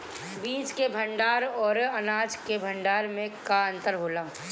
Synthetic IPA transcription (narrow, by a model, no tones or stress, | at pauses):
biːd͡ʒkebʱə̃ɳɖaːɾɔːɾɐnaːd͡ʒkebʱə̃ɳɖaːɾmẽkaə̃nt̪əɾɦoːlaː